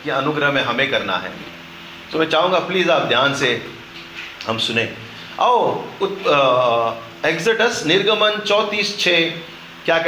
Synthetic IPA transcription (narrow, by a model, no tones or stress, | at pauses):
kiɐnʊɡɾəɦmɛ̃ɦɐmẽkɐɾna̰ɦɛ̰ː | t̪oːmɛ̃ːt͡ʃaːɦũːŋɡapliːzaːp̚d̪ʱjaːnse | hɐmsʊnẽː | ɐoʊt̪ | eɡzəʈəsnɪɾɡəmənt͡ʃɔːt̪iːst͡ʃʰeː | kjaːk